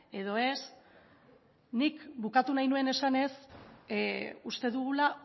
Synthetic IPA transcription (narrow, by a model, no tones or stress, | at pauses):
e̞ð̞o̞e̞s | nikbukat̪unajnue̞ne̞sane̞s | ust̪e̞ðuɣula